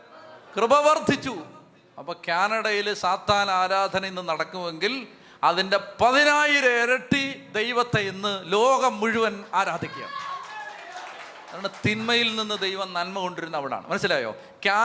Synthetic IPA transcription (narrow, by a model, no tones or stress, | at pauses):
krɨbɐʋɐrd̪ʱit͡ɕːu | ɐpːoːkjaːnɐɽɐjilsaːd̪ʱaːnɐaːɾaːd̪ʱɐnɐmenːɨnɐɽɐkːuʋe̞ŋɡil | ɐðinde̞pɐðinaːjiɾeɾɐʈːid̪ejʋɐt̪ːeenːɨlo̞ːɡɐmːuɻuʋɐnaːɾaːd̪ʱikʲːija̰ | ðaːɳɨt̪inmɐjilninːɨd̪ejʋɐmnɐlmɐko̞ɳɖiɾunːɐʋiɽa̰ːɳɨ̰mɐnɐɕːilaːjo̞̰ː | kjaː